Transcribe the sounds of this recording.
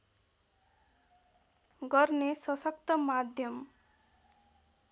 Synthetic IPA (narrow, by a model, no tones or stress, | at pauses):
ɡʌɾnesʌsʌk̚t̪ʌmad̪ʱjʌm